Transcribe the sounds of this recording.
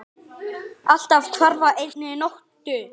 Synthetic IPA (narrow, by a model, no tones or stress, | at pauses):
al̥t̪av̥t̪ʰvaɾvaʔejt̪̚nɪnowht̪ʏ